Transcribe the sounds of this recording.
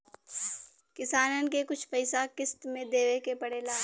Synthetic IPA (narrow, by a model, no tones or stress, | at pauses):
kɪsaːnənkekʊt͡ʃʰpɐɪsakɪst̪mẽd̪eːʋekepɐɽelaː